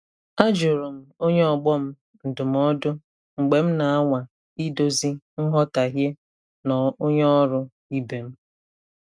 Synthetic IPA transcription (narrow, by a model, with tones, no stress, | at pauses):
a˦d͡ʒʊ˨ɾʊ˨m̩˦o˦ɲe˦ɔ˨ɡ͡bɔ˦m̩˦ | n̩˨dʊ˨m̩˦ɔ˦dʊ˦ | ŋ͡m̩˨ɡ͡be˨m̩˦na˨a˦ŋʷa˨ | i˦do˦zi˦ | ŋ̩˦ɦɔ˦ta˨ɦje˦ | nɔ˨o˦ɲe˦ɔ˦ɾʊ˦ | i˦be˨m̩˦